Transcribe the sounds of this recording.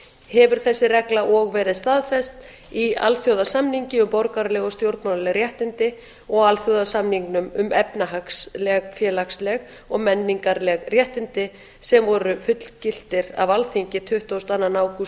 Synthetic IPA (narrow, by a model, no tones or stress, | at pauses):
hɛvʏɾ̥θɛsːɪrɛklaʔɔɣvɛːɾɪðst̪aːðfɛst̪ | ia̰lθjowðasamniɲcɪʏmpɔɾkaɾlɛɣɔst̪jowɾt̪manlɛɣrjɛht̪ɪnt̪ɪ | ɔɣalθjowðasamniŋknʏmʏmɛpnaɦakslɛɣfjɛːlakslɛɣ | ɔɣmɛnːiŋkaɾlɛɣrjɛht̪ɪnt̪ɪ | sɛmvɔɾʏfʏt̪l̥cɪl̥t̪ɪɾa̰valθiɲcɪt̪ʰʏht̪owst̪anːanaːwku